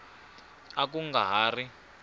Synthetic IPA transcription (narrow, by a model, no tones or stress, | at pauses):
ak̬uŋɡaɦaːri